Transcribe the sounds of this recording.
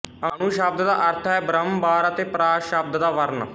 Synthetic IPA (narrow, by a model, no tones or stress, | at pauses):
ənuːʃəb̚d̪d̪aːʔəɾt̪ʰɛːbɾəmbaːɾət̪eːpɾaːʃəb̚d̪d̪aːʋəɾn